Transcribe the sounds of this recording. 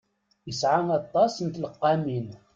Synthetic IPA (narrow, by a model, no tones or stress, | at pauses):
jəsʕanɑt̪ˤːɑsənt̪ləqːɑmin